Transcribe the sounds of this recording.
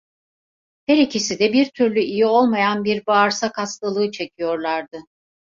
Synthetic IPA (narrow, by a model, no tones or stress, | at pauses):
heɾicʰisid̪ɛbiɾt̪ʰyɾlʲyijio̞lˠmajanbiɾbaːɾsakʰaslˠalˠɯɯt͡ʃʰe̞cʰijo̞ɾlˠaɾd̪ɯ